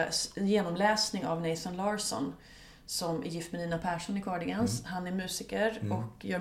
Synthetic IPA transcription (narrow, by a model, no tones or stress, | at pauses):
jeːnɔmlɛːsnɪŋa̰vnɛɪsɔnlɑːɾsɔ̰n | sɔmæ̰ɾjɪft̪mɛd̪iːnapʰæːʂɔnɪkʰɔːɖɪɡanshanæɾmʉ̟ːsɪkəɾɔkjœː